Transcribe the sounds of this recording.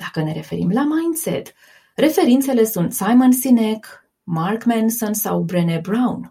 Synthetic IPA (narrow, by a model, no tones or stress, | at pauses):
d̪̥akəne̞ɾe̞fe̞ɾimlamajnsḛt̪ | re̞fe̞ɾint̪se̞le̞sunt̪sajmonsinek | markmensonsawbɾenebɾawn